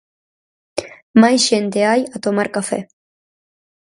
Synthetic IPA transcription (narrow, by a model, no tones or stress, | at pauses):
majsʃent̪eajat̪omaɾkafḛ